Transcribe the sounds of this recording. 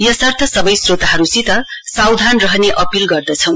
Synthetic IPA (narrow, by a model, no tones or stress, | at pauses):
jʌsʌrt̪ʰʌsʌbʌjsrot̪aɦʌɾusit̪ʌsawd̪ʱanrʌɦʌneʔʌpilɡʌrd̪ʌt͡sʰʌ̃w̃